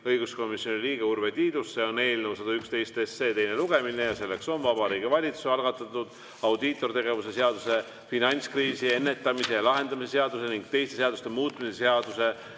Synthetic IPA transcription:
ɤjɡ̥usko̞mːisjo̞nʲiliːɡ̥eurve̞t̪iːd̪usːe̞o̞ne̞ːlnewsɑd̪ɑykst̪e̞jst̪esːe̞ːt̪e̞jne̞luɡ̥e̞minejɑse̞lːe̞kso̞nvɑbɑɾiːɡ̥ivɑlʲit̪suseɑlɡ̥ɑt̪ːˑɑt̪ːˑud̪̥ | ɑwd̪it̪ːˑo̞rt̪e̞ɡ̥e̞vuse̞seɑd̪̥use̞ | finɑnʲt̪skriːsie̞nːe̞t̪ːˑɑmise̞ɑlɑɦe̞nd̪ɑmise̞seɑd̪̥use̞niŋɡ̥̚t̪e̞jst̪e̞seɑd̪ust̪e̞muːt̪ːˑmiseseɑd̪̥use̞

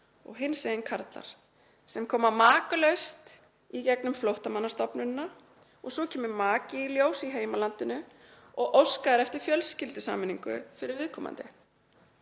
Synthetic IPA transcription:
ɔ̰ɣɦɪnːseɪnkʰaɾt̪la̰ɾ̥ | sɛmkʰɔːmamaːkʏlœɥst̪ | icɛknʏmflowht̪amanːast̪ɔpnʏnːa | ɔɣsɔcʰɛːmʏmaːcɪiljoːwsiɦeːjmalant̪ɪnʏ | ɔɣʔowskaðɪɾɛft̪ɪɾ̥fjœlscɪlt̪ʏsa̰ːmɪniŋkʏ̰fɪɾɪɾvɪðkʰɔːma̰nt̪ɪ

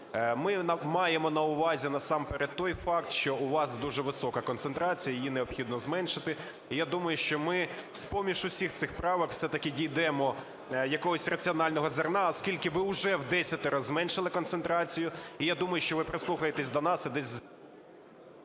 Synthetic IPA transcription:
mɪmɑjemɔnɐʊʋɑzʲinɐsɑmpeɾɛd̪̚t̪ɔjfɑkt̪ʃt͡ʃɔʔʊʋɑsd̪uʒɛʋɪsɔkɐkɔnsent̪ɾɑt͡sʲijɐjijineɔpxʲid̪̚nɔzmɛnʃɪt̪ɪ | ijad̪umɐjʊʃt͡ʃɔmɪspɔmʲiʃʊsʲixt̪sɪxpɾɑʋɐkw̥sɛt̪ɐkɪdʲijd̪ɛmɔ | jɐkɔɦɔsʲrɐt͡sʲiɔnɑlʲnɔɦɔzɐrnɑɔskʲilʲkɪʋɪʊʒɛwd̪ɛsʲɐt̪ɛɾɔzmɛnʃɪlˠɪkɔnt̪sent̪ɾɑt͡sʲijʊijad̪umɐjʊʃt͡ʃɔʋɪpɾɪslˠuxɐjet̪esʲd̪ɔnɑsɐd̪ɛsʲz

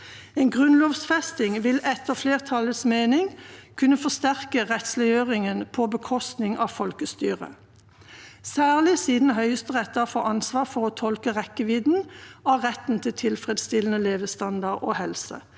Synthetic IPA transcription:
eːnɡʁʉnloːʋsfɛst̪ɪŋʋɪlɛt̪əfleːʁt̪ʰɑlət̪smeːnɪŋkʰʉnəfɔst̪æʁkəʁɛt̪slɛɪøːʁɪŋənpʰɔbəkʰɔst̪nɪŋʔɑːfɔlkəst̪y̰ːʁə̰ | sæːʁlɪsiːd̪n̩ɦœʏəst̪əʁɛt̪ɑfɔʔɑnsʋɑːʁfɔʁoːt̪ʰɔlkəʁɛkəʋɪːd̪n̩ɑːʁɛt̪n̩t̪ʰɪlt̪ʰɪlfʁɛd̪st̪ɪlən̩əleːʋəst̪ɑnd̪ɑʁoːhɛlsə̰

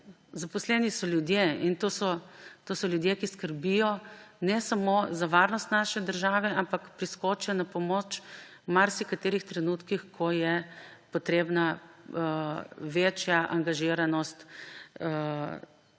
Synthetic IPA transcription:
zapɔslɛːnisɔljud̪jeint̪oːsɔt̪osɔljud̪jekiskəɾbijɔnɛsamozaʋaɾnɔst̪naʃɛd̪əɾʒaːʋɛampakpɾiskɔt͡ʃjanapɔmot͡ʃ | maɾsikat̪eːɾixt̪ɾɛnuːt̪kixkʰɔjɛpɔt̪ɾeːbna | ʋeːt͡ʃjaʔa̰ŋɡaʒiɾanɔst̪

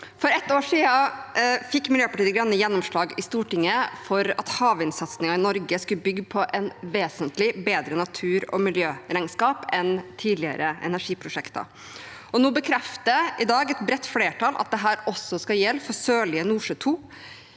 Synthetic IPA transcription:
fɔɾɛt̪ːoːʂiːɑfɪkːmɪljøːpɑʈiːəɡɾɑnːəjɛnːɔmʂɭɑːɡɪst̪uːʈɪŋːəfɔɾɑt̪hɑːʋɪnsɑt̪snɪŋɑɪnɔɾɡəskʉbʏɡːpʰɔʔɛnʋeːsənt̪lɪbeːd̪ɾənɑt̪ʰʉːɾɔ̰mɪljøːɾæɪnskɑːpɛnt̪ʰiːd̪lɪə̰ɾəɛ̰næʂiːpʰɾʊʂɛkt̪ɑ̰ | ɔnuːbəkʰɾɛft̪əɪd̪ɑːɡɛt̪bɾɛt̪ːfleːʈʰɑlɑ̰t̪̚d̪ɛɦæːɾɔsːɔskɑjɛlːfɔɾsøːɭɪənuːʂøːt̪ʰuː

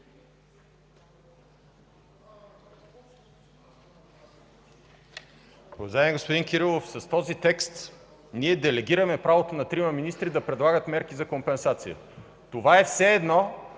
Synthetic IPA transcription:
ɾovzamɛɡospod̪inkiɾilˠofsɐst̪ɔzit̪ɛkst̪ | niɛd̪ɛlɛɡ̟iɾəmɛpɾavot̪onɐt̪ɾimɐminist̪ɾid̪ɐpɾɛd̪lˠaɡət̪mɛɾkizɐkompɛnsat̪sijə̰ | t̪ovaɛfsɛːd̪nɔ

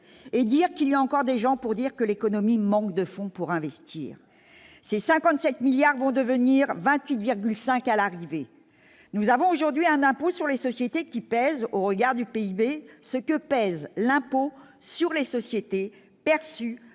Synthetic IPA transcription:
ed̪iʁkilijaɑ̃kɔʁd̪eʒɑ̃puʁd̪iʁkəlekɔnɔmimɑ̃kd̪əfɔ̃puʁɛ̃vɛst̪ʰḭːʁ | sesɛ̃kɑ̃t̪sɛt̪miljaʁvɔ̃d̪əvəniʁvɛ̃t̪ɥit̪viʁɡʲylsɛ̃kalaʁive | nuzavɔ̃oʒuʁd̪ɥiɛ̃nɛ̃posyʁlesɔsjet̪ekʲipɛzoʁəɡaʁd̪ypeibesəkəpɛzlɛ̃po | syʁlesɔsjet̪e | pɛʁsy

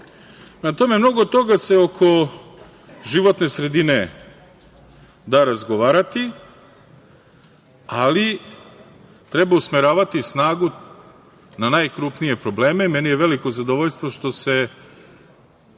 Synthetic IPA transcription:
nat̪o̞me̞mno̞ɡod̪̚t̪o̞ɡase̞o̞kʰo̞ | ʒiʋo̞t̪ne̞sɾe̞d̪ine̞ | d̪aːɾazɡo̞ʋaːɾat̪i | ali | t̪ɾe̞bausmeɾaːʋat̪isnaːɡu | nanajkɾupnije̞pɾo̞ble̞ːmemenijeʋe̞liko̞zad̪oʋoʎst̪ʋo̞ʃt̪o̞se̞

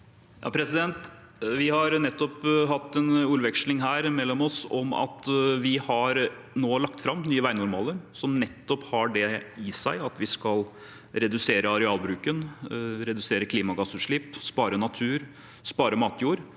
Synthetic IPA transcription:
jɑ̰ːpʰɾɛsɪd̪ɛnt̪ | ʋɪhɑɾnɛt̪ːɔpɦɑt̪ːɛnʉːɾʋɛkʂlɪŋɦæːɾmɛlːɔmɔsɔ̰mɑ̰t̪ʋɪhɑɾ | noːlɑk̚t̪fɾɑmːnyːəʋæɪnʊɾmɑːləɾsɔmnɛt̪ːɔphɑɖɛɪsæɪɑt̪ʋɪskɑl | ɾɛd̪ʉseːɾəɑɾɛɑːlbɾʉːkənɾɛd̪ʉseːɾəkʰliːmɑɡɑsʉːʂɭɪpspɑːɾənɑt̪ʰʉːɾ | spɑːɾəmɑːt̪juːɾ

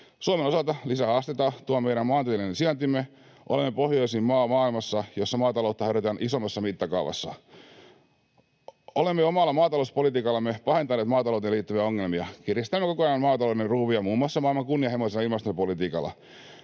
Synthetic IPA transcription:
suomeno̞sɑlt̪ɑlisæɑst̪et̪ɑt̪uommejɾæmmɑːnt̪ielinensiɑnt̪imːe | ʔo̰lemːepohjoisiːmmɑːmɑːilmɑsːɑjosːɑmɑːt̪ɑlout̪ːɑheɾøt̪ænʔisomːɑsːɑmit̪ːɑkɑuʋɑ̰sːɑ̰ | olemːeomɑlːɑmɑːt̪ɑlouspolit̪iːkɑlːɑmːepɑhe̞nt̪ɑneːt̪mɑːt̪ɑlout̪eliːt̪ːyʋiæoŋːelmiɑkirjist̪æmːeko̞koɑjɑmmɑːt̪ɑloderruːʋiɑmuːmːuɑsːɑmɑːilmɑŋkunːiɑhemoselːɑilmɑst̪uɑpolit̪iːkɑ̰lːɑ̰

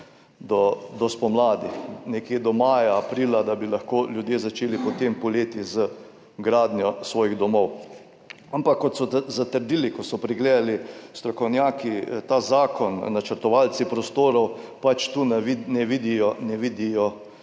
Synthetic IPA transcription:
d̪ɔd̪ɔspɔmlaːd̪ixnɛkjed̪ɔmaːjaːpɾiːlad̪abilaxkoːljud̪jeːzat͡ʃeːlipɔt̪empɔleːt̪izə | ɡɾaːd̪njɔsʋɔːjiɣd̪ɔmɔw | ampakːɔt̪sɔzat̪əɾd̪iːlikɔsɔpɾiɡleːd̪alist̪ɾɔkɔwnjaːkit̪aːzaːkɔnːat͡ʃəɾt̪ɔʋalt͡ssipɾɔst̪oːɾɔwpat͡ʃt̪uninɛʋid̪ijɔnɛʋid̪ijɔ

